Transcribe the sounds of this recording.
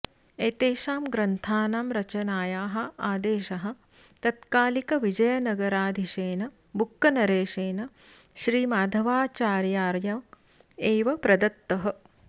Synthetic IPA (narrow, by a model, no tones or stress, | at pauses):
eːt̪eːʃaːmɡɾɐnt̪ʰaːnaːmɾɐt͡ʃɐnaːjaːɦɐ̆aːd̪eːʃɐɦɐ̆ | t̪ɐt̪kaːlikɐʋid͡ʒɐjɐnɐɡɐɾaːd̪ʱiʃeːnɐ | bukːɐnɐɾeːʃeːnɐ | ʃɾiːmaːd̪ʱɐʋaːt͡ʃaːɾjaːɾjɐm | eːʋɐpɾɐd̪ɐt̪ːɐɦɐ̆